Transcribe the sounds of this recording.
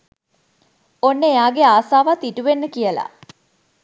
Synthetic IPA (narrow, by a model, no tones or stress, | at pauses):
onːəejaːɡeaːsaːʋat̪iʈuʋenːəkijəla̰